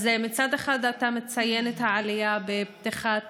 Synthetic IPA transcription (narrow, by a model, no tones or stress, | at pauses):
zemit͡sad̪eχad̪atamet͡sajenethaʕalijabebt̪iχa